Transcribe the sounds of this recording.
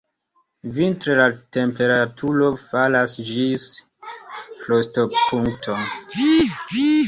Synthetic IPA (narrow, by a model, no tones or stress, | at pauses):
vintɾelate̞mpe̞ɾatʰuɾo̞falasd͡ʒis | klostopʰuŋktʰon